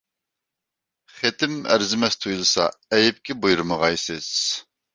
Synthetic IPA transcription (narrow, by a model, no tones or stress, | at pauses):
χet̪ʰɪmæ̰ɾzɪmɛst̪ʰujulˠɨsɑ̰ɛjɪp̚kʲɪbujuɾməʁɑjsɨz̥